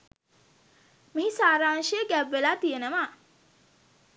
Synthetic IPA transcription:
miɦisaːɾaːŋʃijəɡæʋːelaːt̪ijenəʋa

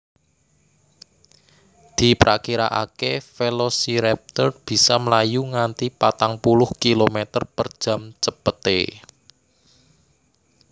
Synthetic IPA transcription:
d̪̥i̤pɾa̰kiɾa̰ʔa̰kefelosiɾɛp̚t̪ərb̥i̤sɔməlajuŋant̪ipat̪aŋpulʊhkilomet̪ərpərd̥ʒ̥a̤mt͡ʃəpət̪ḛ

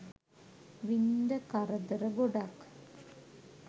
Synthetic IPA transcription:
ʋind̪ɐkɐrɐd̪ɐɾɐɡoɽak

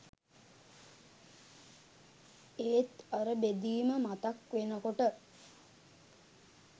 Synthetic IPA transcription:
eːt̪aɾəbed̪iːməmat̪akʋenəkoʈə

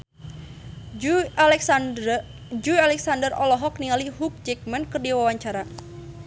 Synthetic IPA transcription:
d͡ʒualɛksandərɔlɔɦɔk̚niŋaliɦuk̚d͡ʒɛk̚mankərdiwawaɲt͡ʃaɾa

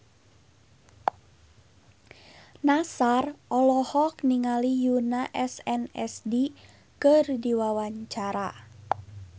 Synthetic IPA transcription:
nasarʔɔlɔhɔkniŋalijunaʔɛsɛnɛ̰sdi | kərdiwawaɲt͡ʃaɾa

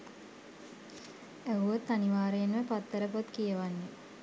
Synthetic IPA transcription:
æuʋot̪ːaniʋaːɾejenʋəpat̪ːəɾəpot̪kijəʋanːe

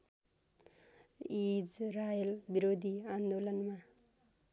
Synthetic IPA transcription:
id͡zrajʌlbiɾod̪ʱiand̪olʌnma

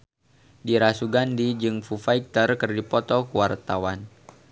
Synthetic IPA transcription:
diɾasuɡandid͡ʒɨŋfufaik̚t̪ərkɨrdipɔt̪ɔkuwart̪awan

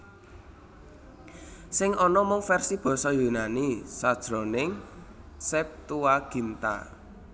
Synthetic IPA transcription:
sɪŋʔɔnɔmʊŋfɛrsib̥ɔ̤sɔjunanisad̥ʒ̥ɾɔ̤nɪŋ | sɛp̚t̪uwaɡ̥i̤nt̪a̰

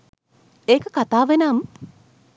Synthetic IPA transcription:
eːkəkat̪aːʋenam

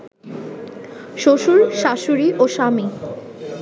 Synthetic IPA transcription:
ʃoʃuɾʃaʃuɾiʔoʃami

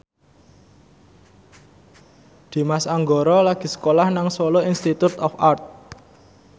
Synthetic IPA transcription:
d̪̥i̤masaŋɡɔɾɔlaɡ̥i̤sə̥kolahnaŋswɔloinst̪it̪ut̪ɔfart̪̚

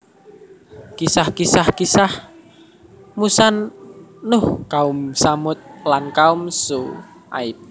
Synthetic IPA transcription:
kisahkisahkisah | musanː | ʊhkaʊmsamʊt̪̚lankaʊmsu | ʔa̰ɪp̚

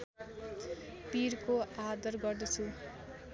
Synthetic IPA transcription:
piɾkoad̪ʌrɡʌrd̪ʌt͡sʰu

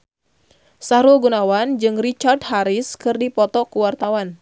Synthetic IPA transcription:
saɾulɡunawand͡ʒɨŋrit͡ʃardɦaɾɪskɨrdipɔt̪ɔkuwart̪awan

